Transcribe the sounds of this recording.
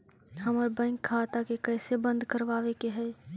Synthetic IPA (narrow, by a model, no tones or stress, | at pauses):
ɦəməɾbə̃ŋkʰːaːt̪akekɛːsebə̃nd̪ʱkəɾʋaːʋekeɦɛː